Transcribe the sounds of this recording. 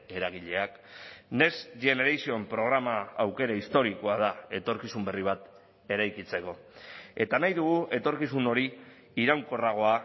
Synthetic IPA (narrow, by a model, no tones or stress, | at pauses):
e̞ɾaɣ̞iʎe̞ak | ne̞sʝe̞ne̞ɾajsio̞empɾo̞ɣ̞ɾamaːwke̞ɾaist̪o̞ɾiko̞að̞ae̞t̪o̞ɾkisumbe̞riβ̞at̪ | e̞ɾajkit͡se̞ko̞ | e̞t̪anajðuɣuʔe̞t̪o̞ɾkisuno̞ɾiː | ɾawŋko̞raɣ̞o̞a